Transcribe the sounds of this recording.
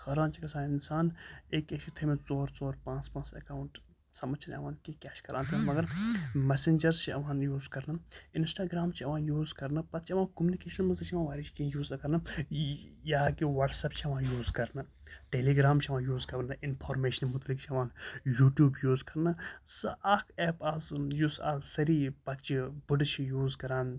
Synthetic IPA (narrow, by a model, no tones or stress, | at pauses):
xɐɾaːnt͡ʃʰikɐsaːnɪnsaːneːkekt͡ʃʰit̪ʰemẽt͡soːɾt͡soːɾpãːt͡spãːt͡sɐ̰kaːʊɳʈ | sɐmɐt͡ʃʰin̰ɐ̰ʋãːnkikʲaːʃkɐɾaːnt̪ʰinmɐɡɐɾmɛsind͡ʒɐɾzt͡ʃʰiɐ̰ʋaːnjuːzkɐɾnɐɪnsʈaːɡɾaːmt͡ʃʰiɐʋãːnjuːzkɐɾnɐpɐst͡ʃʰiɐʋãːnkumunikeːʃɐnmɐzɐt͡ʃʰiɐʋaːnʋaːɾit͡ʃʰi̥kĩjuːzɐkɐɾnɐ | jaːkiʋɐʈsɐp̚t͡ʃʰiɐʋaːnjuːzkɐɾnɨ | ʈeːliːɡɾaːmt͡ʃʰiɐʋãːnjuːzkɐbnɨʔɪnpʰoːɾmeːʃɐnmʊt̪ɐlikt͡ʃʰiɐʋaːnjuːʈjuːbjuːzkɐɾnɨsɨʔaːkʰɛːpaːzjuːsa̰ːzsɐɾiːpɐt̪t͡ʃibɨɖt͡ʃʰijuːzkɐɾaːn